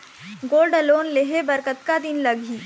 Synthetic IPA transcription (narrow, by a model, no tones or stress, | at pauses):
ɡoːlɖəloːnleɦebəɾkət̪kad̪ɪnlɐɡiː